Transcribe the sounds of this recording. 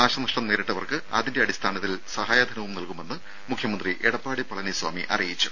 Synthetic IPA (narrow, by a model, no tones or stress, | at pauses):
aːɕɐnɐʂʈɐmneːɾeʈːɐʋɐrkɨɐ̰ðinde̞ɐɽist̪ʰaːnɐt̪ːilsɐhaːjad̪ʱɐnɐʋumnɐlkume̞nːɨ | mukʰːjɐmɐnd̪riʔeɽɐpːaːɽipɐɭɐniswa̰ːmiʔɐ̰rijit͡ɕːu̥